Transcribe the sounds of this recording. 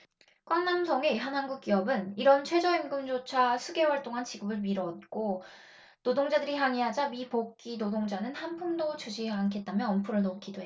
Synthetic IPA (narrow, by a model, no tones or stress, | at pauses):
k͈waŋnamsʰʌŋeiɦanɦanɡuk͈̚iʌbɯniɾʌnt͡ɕʰwe̞d͡ʑʌimɡɯmd͡ʑot͡ɕʰasʰuɡe̞waɭt͈oŋant͡ɕiɡɯbɯɭmiɾʌt̚k͈o | nodoŋd͡ʑadɯɾiɦaŋiɦad͡ʑamipokk͈inodoŋd͡ʑanɯnhanpʰuŋdot͡ɕʰud͡ʑʰiaŋkʰe̞t̚t͈amjʌnʌmpʰuɾɯɭnokʰidoe